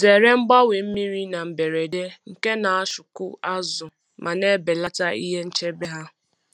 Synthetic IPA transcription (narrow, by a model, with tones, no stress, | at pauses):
ze˨ɾe˦m̩˦ɡ͡ba˦we˨m̩˦mi˦ɾi˦na˨m̩˨be˨ɾe˨de˦ŋ̩˨ke˦na˨a˦ʃʊ˨kʊ˦a˦zʊ˨ | mʔa˨ne˦be˨la˦ta˦ḭ˦ɦe˦n̩˦t͡ʃe˦be˦ɦa˦